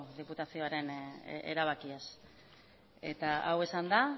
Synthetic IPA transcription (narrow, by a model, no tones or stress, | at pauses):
ðiput̪asio̞aɾe̞ne̞̰ɾaβ̞akias | e̞t̪aawe̞sand̪a